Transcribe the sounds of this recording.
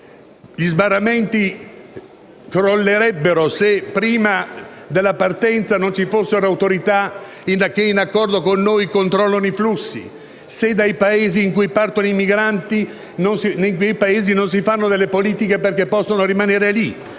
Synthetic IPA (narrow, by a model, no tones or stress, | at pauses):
ʎizbarːament̪i | kɾolːeɾɛbːeɾosepɾiːmad̪elːapart̪ɛnt̪sanont͡ʃifosːeɾoawt̪oɾit̪a | inakːeinakːɔrd̪okonːojkont̪ɾɔlːonoiflusːḭ | sed̪ajpaeːziːŋkujpart̪onoimiɡɾant̪i | nonsinekejpaeːzinons̬ifanːod̪elːepoliːt̪ikeperkepːɔsːonoɾimaneːɾeli